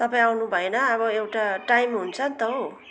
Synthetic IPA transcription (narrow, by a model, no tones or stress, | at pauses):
t̪ʌpaĩawnubʱʌenʌʌβʌewʈaʈajmɦunt͡sʰʌnt̪ʌw